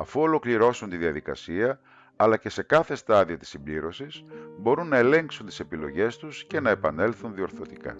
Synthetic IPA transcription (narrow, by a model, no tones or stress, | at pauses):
ɐfuo̞lo̞kliɾo̞sunt̪iðiɐðikɐ̰siɐ | ɐlɐce̞se̞kɐθe̞st̪ɐðio̞t̪i̥sːimbliɾo̞sisbo̞ɾunːɐe̞le̞ŋksunt̪i̥se̞pilo̞̰ʝe̞st̪usce̞nɐe̞pɐne̞lθunðio̞ɾθo̞t̪ikɐ̰